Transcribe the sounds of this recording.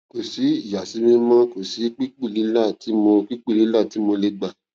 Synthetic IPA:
ko˨si˨˦i˨ja˨si˨˦mĩ˦mã˦ko˨si˨˦k͡pi˦k͡pi˦˨li˨˦la˦˨ti˨˦mo˧k͡pi˦k͡pi˦˨li˨˦la˦˨ti˨˦mo˧le˧ɡ͡ba˨

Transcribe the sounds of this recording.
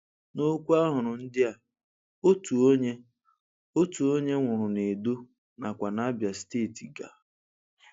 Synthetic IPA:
no˦kʷu˦a˦ɦʊ˨ɾʊ˨n̩˦dɪ˦a˨ | o˦tu˨o˦ɲe˦ | o˦tu˨o˦ɲe˦ŋʷʊ˨ɾʊ˨ne˨do˦ | na˨kʷa˨na˦bja˨steː˦˨ti˨ɡa̰˨

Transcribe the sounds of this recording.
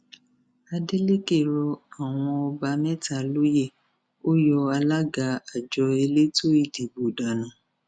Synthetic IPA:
a˧de˦le˦ke˦˨ɾɔ˧a˨w̃ɔ̃˧ɔ˧ba˧mɛ̃˦ta˦˧lo˦je˦˨ | o˦jɔ˧a˧la˦ɡa˧a˨d͡ʒɔ˧e˧le˦to˦i˦˨di˨bo˨da˨nũ˨˦

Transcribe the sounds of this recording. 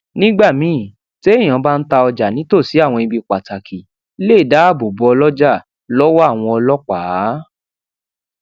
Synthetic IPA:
nĩ˦ɡ͡ba˦˨mĩː˨˦˨ | tẽ˦˨ã˨˧ba˦n̩˦ta˧ɔ˧d͡ʒa˨nĩ˨˦to˦˨si˨˦a˦˨w̃ɔ̃˧i˧bi˧k͡pa˨ta˨kʰi˨˦ | le˦i˦˨da˨˦a˦˨bo˨bo˨˧ɔ˧lɔ˦d͡ʒa˦˨ | lɔ˦wa˦a˦˨w̃ɔ̃˧ɔ˧lɔ˦k͡paː˨˦

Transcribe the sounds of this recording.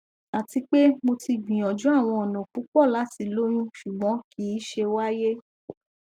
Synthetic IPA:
a˨ti˧k͡pe˦mo˧ti˧ɡ͡bĩ˨ɔ˨d͡ʒũ˨˦a˦˨w̃ɔ̃˧ɔ˨nɔ̃˨ku˦k͡pɔ˦˨la˨˦ti˧˨lo˦j̃ũ˦ʃu˨ɡ͡bɔ̃˨˦kʰi˨˦ʃe˧wa˦je˦

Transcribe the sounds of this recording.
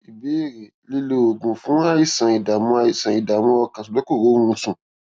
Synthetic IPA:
i˨be˦ɾe˨li˦lo˨ɡũ˨fũ˦ha˦i˦sã˨i˨da˨mũ˦a˦i˨sã˨i˨da˨mũ˦ɔ˧kã˨s̬u˨lɛ˦ko˦˨ɾo˨˦ŋũ˧˦sũ˨

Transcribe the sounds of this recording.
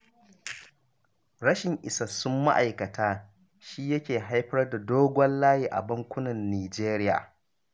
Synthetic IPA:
ɽɐ˦ʃɪ˨ŋʔɪ˨sɐ˨sʊ˦mːa̰˦ʔa˨jkɐ˨taː˦ | ʃiː˦jɐ˦kʲeː˨ɦa˦jɸɐ˦rda˨doː˦ɡʷɔ˦nlaː˦jiː˨ʔa̰˨bɐ˦ŋkʷʊ˦nɐ˨nːiː˨d͡ʒeː˦ɾɪ˦ja̰ː˨

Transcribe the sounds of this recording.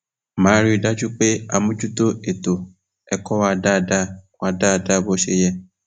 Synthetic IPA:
mã˨˦ɾi˦i˨da˦d͡ʒu˦k͡pe˦a˧mũ˦t͡ʃu˦to˦e˨to˨ | ɛ˨kɔ˦wa˧da˦˨da˦wa˧da˦˨da˦˨bo˧˦ʃe˧˦jɛ˧

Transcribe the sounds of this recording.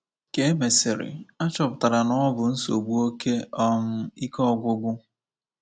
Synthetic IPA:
ke˦me˨sɪ˨ɾɪ̰˨a˦t͡ʃɔ˨pʊ˨ta˨ɾa˨nɔ˦bʊ˨n̩˦so˨ɡ͡bu˦o˦ke˦ɔ˦m̩˦i˦kɔ˦ɔ˨ɡʷʊ˦ɡʷʊ˦

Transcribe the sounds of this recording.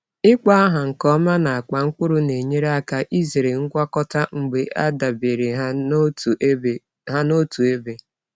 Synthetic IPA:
ɪ˦ka˦a˦ɦa˨ŋ̩˨kɔ˦ma˦na˨a˨k͡pa˨ŋ̩˦kʷʊ˦ɾʊ˦ne˨ɲe˦ɾe˦a˦ka˦ʔi˦zi˨ɾe˨ŋ̩˦ɡʷa˦kɔ˦ta˦ŋ͡m̩˨ɡ͡be˨ʔa˦da˨be˨ɾe˨˦˨ | ɦa˦no˦tu˨e˦be˦

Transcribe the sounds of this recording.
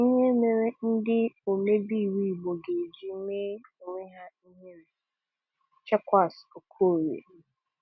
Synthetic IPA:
ɲ̩˦ɲɛ˦mɪ̃˦ɾɪ˦n̩˦dɪ˦o˨me˦bi˦˨wi˦˨bo˨ɡe˨d͡ʑi˦mẽ˦o˨wĩ˦ɦã˦n̩˦ɦi˦ɾ | t͡ʃʰɛ˦kʰa˨so˨kʰo˦˨ɾḛ˨

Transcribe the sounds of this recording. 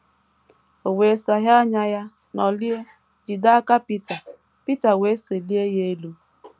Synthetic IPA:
o˨we˨˦sa˨ɦja˦a˦ɲa˦ja˦ | nɔ˨li˦e˦ | d͡ʒi˨da˦a˦ka˦pi˦ta˨ | pi˦ta˨we˦se˨li˦e˦je˦e˦lu˦

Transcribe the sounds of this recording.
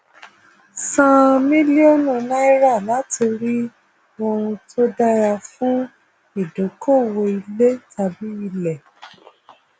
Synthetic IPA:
sã˦˧mĩ˦li˦o˦nũ˦˨nã˦i˦ɾa˦˨la˨˦ti˧ɾi˦ | o˧ɾ̃ũ˧tʰo˦da˦ja˧fũ˦ | i˦˨do˨˦ko˦˨wo˧i˧le˦tʰa˧bi˦i˧lɛ˨

